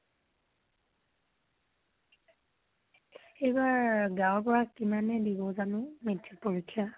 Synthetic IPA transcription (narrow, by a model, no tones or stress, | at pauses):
ejbaɹɡawpɔɹakːimanɛdibɔzanʊ̃mitʰːipoɹikʰːija